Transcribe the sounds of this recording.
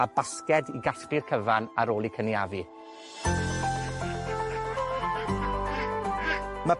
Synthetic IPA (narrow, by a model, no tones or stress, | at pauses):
abaskɛdiɡaɬrirkʰəvanaɾoːlˠikʰəniavi | mə